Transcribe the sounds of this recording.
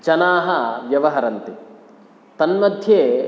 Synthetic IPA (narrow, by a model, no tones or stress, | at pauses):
d͡ʒɐnaːɦɐʋjɐʋɐɦɐɾɐnt̪i | t̪ɐnmɐd̪ʱjeː